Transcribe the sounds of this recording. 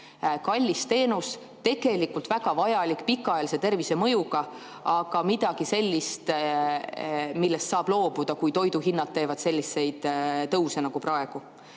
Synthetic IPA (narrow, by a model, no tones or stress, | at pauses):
kɑlʲːist̪e̞ːnus | t̪e̞ɡ̥e̞likːˑult̪v̥æɡ̥ɑvɑjɑlikːˑpikːˑɑɑjɑlise̞t̪e̞rvise̞mɤjuɡ̥ɑ | ɑɡ̥ɑmid̪̥ɑɡ̥ise̞lʲːist̪ | milːest̪sɑːb̥lo̞ːb̥ud̪̥ɑkujt̪o̞jd̪uɦinːɑt̪̚t̪ːe̞ːvɑd̪̥se̞lʲːisːe̞jd̪̥t̪ɤwse̞nɑɡ̥uprɑeɡ̥u